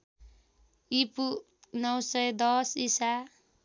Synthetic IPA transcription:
ipu | nʌwsʌjd̪ʌsisa

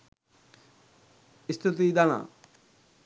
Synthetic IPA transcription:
ist̪ʰut̪id̪ana̰

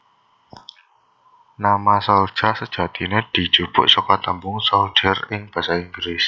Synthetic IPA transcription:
namasɔl̥ʒ̥asəd̥ʒ̥ä̤t̪ined̪̥i̤d̥ʒ̥ub̥ʊ̤̰ʔsokɔt̪əmbʊŋsɔlʒ̥ərɪŋb̥a̤saiŋɡɾes

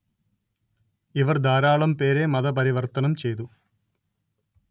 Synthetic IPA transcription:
iʋɐrd̪ʱaːɾaːɭɐmpe̞ːɾemɐðɐpɐɾiʋɐrt̪ɐnɐmt͡ɕe̞jt̪̬u

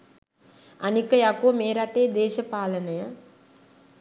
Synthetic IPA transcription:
ɐnikɐjakomeːɾaʈeːd̪ɛːʃɐpaːlɐnɐjɐ

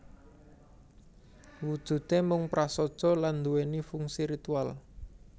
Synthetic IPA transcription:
wud̥ʒ̥ṳt̪emʊŋpɾasɔd̥ʒ̥ɔ̤land̪uwenifuŋsiɾit̪ual

